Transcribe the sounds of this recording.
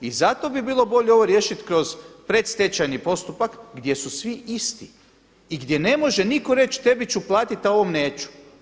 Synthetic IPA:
izat̪o̞bibiːlˠo̞bo̞ʎeo̞ʋoɾje̞ːʃit̪kɾo̞zpɾet̪st̪et͡ɕajnipo̞st̪upakɡd̪je̞susʋiʔist̪i | iɡd̪je̞ne̞mo̞ʒe̞niko̞ɾe̞t͡ɕt̪e̞bit͡ɕuplˠaːt̪it̪aoʋomneːt͡ʃu̥

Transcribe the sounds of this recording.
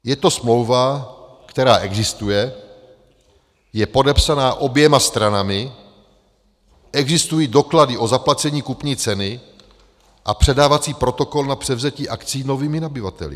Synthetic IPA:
jɛt̪o̞smlo̞wva | kt̪ɛɾaːʔɛɡzɪst̪ujɛ | jɛpo̞dɛpsanaːʔo̞bjɛmast̪ɾanamɪ | ʔɛɡzɪst̪ujiːdo̞kladɪʔo̞zaplat͡sɛɲiːkupɲiːt͡sɛnɪ | ʔapr̥ɛdaːvat͡siːpɾo̞t̪o̞ko̞lnapr̝̥ɛvzɛciːʔakt͡siːno̞viːmɪnabɪvat̪ɛ̰lɪ̰

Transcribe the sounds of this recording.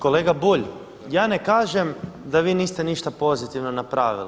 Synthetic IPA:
ko̞leːɡabuʎ | jaːne̞kaːʒemd̪aʋiːniːst̪eniʃt̪apo̞zit̪iʋnonapɾʔaːʋḭli

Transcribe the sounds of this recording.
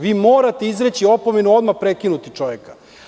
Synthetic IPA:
ʋiːmo̞ːɾat̪e̞izɾet͡ɕio̞po̞me̞nuo̞d̪mapɾekinut̪it͡ʂo̞ʋekḁ

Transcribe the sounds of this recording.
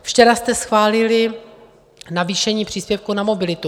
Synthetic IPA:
ft͡ʃɛɾast̪ɛsxvaːlɪlɪ | naviːʃɛɲiːpr̝̥iːspjɛfkunamo̞bɪlɪt̪u

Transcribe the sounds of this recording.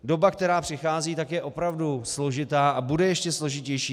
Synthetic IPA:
do̞bakt̪ɛɾaːpr̝̥ɪxaːziːt̪akjɛʔo̞pɾavduslo̞ʒɪt̪aːʔabudɛjɛʃcɛslo̞ʒɪcɛjʃiː

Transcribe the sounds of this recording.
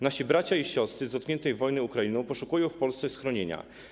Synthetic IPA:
naɕibɾat͡ɕaiɕɔst̪ɾɘzɔt̪kɲɛnt̪ɛjvɔjnɘukɾainɔ̃w̃pɔʂukujɔ̃w̃fpɔlst̪sɛsxɾɔɲeɲa̰

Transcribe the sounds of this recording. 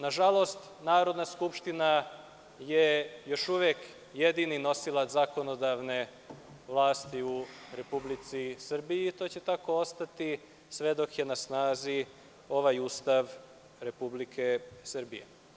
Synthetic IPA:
naʒalˠo̞st̪ | naːɾo̞d̪naskupʃt̪ina | je̞jo̞ʃuʋjek | jed̪inino̞silˠazako̞no̞d̪aʋne̞ | ʋlˠaːst̪iuɾe̞publit̪sisr̩bijiːt̪o̞ːt͡ɕe̞t̪ako̞o̞st̪at̪i | sʋe̞d̪o̞kje̞nasnaːzi | o̞ʋajuːst̪aʋ | ɾe̞publikʰe̞sr̩bḭjḛ

